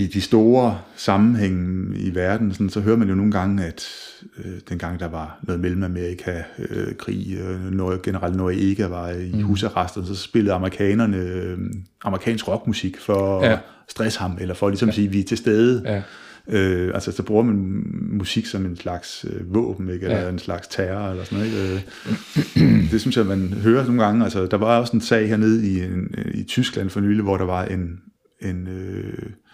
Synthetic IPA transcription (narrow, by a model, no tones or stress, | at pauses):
id̥isd̥o̝ːɐsɑ̈mn̩ɦeŋ̰ḭʋæɐd̥n̩sɔ̽nsɒ̽ɦøɐd̥mænjo̝no̝ːn̩ɡ̥ɑ̈ŋ̰æd̥ | ød̥enɡ̥ɑ̈ŋ̰d̥ɑ̈ʋɑ̈nɔ̽ːð̩ˠmelm̩æme̝ɐikʰækʰʁḭːnɔɡ̥enəʁɑ̈l̰d̥nɒiʔe̝ɡ̥æʋɑ̈ihuːsæʁɑsd̥ɐnsɒ̽sb̥e̝ləð̞̩ˠɑ̈məʁikʰɛ̰ːnɐnə | ʔɑ̈məʁikʰɛ̰ːnsɡ̥ʁɒ̽ɡ̥musiɡ̥fɒ̽ | sd̥ʁɛshɑ̈melɐfɒ̽lisɒ̽msiːʋit͡sʰe̝lsd̥eð̞ˠə | øʔælsəsɒb̥ʁuɐmænmusiɡ̥sɒ̽me̝nslɑ̈ɡ̥søʋɔ̰̽ːb̥n̩eɡ̥elɐe̝nslɑ̈ɡ̥st͡sʰæɐelɐsnð̩ˠeɡ̥ø | d̥e̝synsɒmːænɦøːɐno̝ːnɡ̥ɑ̈ŋəælsəd̥ɑ̈ʋɑ̈ɒ̽se̝nsɛ̰ːɪheɐne̝ð̞ˠieit͡sʰysɡ̥læn̰fɒ̽nyːliʋɒɾ̥ɑ̈ʋɑ̈ʔe̝n | e̝nø